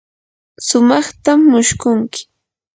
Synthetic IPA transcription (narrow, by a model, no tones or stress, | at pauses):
sʊmɑχt̪amːʊʃkʊŋkɪ̥